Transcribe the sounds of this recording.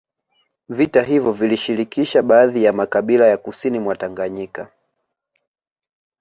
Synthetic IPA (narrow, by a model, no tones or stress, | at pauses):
vitaɦivjɔviliʃiɾikiʃaɓaːðijamakaɓilajakusinimwataŋɡaɲika